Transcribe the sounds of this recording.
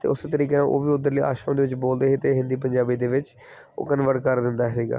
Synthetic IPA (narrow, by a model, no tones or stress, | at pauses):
t̪ḛːʊst̪əɾiːkẽʔo̰ːʋiːʊd̪əɾliːa̰ːʃaːʊ̃d̪eːʋɪt͡ʃboːld̪eːɦeːt̪eːɦɪ̃nd̪iːpəɲd͡ʒaːbiːd̪eːʋɪt͡ʃ | o̰ːkənʋəɽkəɾd̪ɪnd̪aːɦsiːɡa̰ː